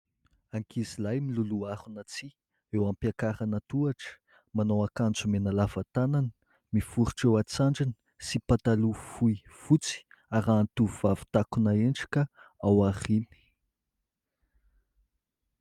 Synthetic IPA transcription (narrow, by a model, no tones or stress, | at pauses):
aŋkizilajmiluluaɾunət͡si | ewampakaɾanət̪uaʈ͡ʂə̥ | manowakand͡zumenəlavat̪ananə̥ | mifuɾuʈ͡ʂewat͡saɳɖ͡ʐinə̥ | sipat̪alufuifut͡si̥ | aɾaːnt̪uuvavi̥t̪akunaeɳʈ͡ʂi̥kəawaχini̥